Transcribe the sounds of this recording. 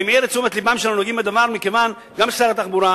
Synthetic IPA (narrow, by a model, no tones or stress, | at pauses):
mɛɾet͡sumet̪libamʃananuoɡimbed̪avaɾmikevan | ɡamʃaɾat̪aχbuɾa